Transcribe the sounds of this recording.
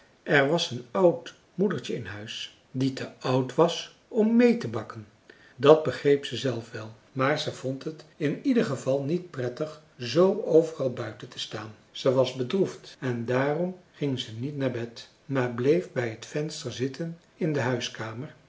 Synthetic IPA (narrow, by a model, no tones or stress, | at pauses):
ʔɛɹʋɑsənɑwt | mudəɹt͡ʃəɪnɦœɥs | ditəʔʌwtʋɑs | ɔmːejtəbɑkən | dɑd̚bəχrejpsəzɛlˠfʋɛlˠ | maːɹzəjvɔntɦətɪnidəχəvɑlˠnit̚prɛtəχ | zowowvərɑlˠbœɥtəntə̥staːn | z̥əʋɑzbədruftɛndaːrɔmχɪŋzənitnaːɹbɛt | maːɹblejfbɛjɦətfɛnstəɹzɪtʰən | ɪndəɦœɥskaːməɹ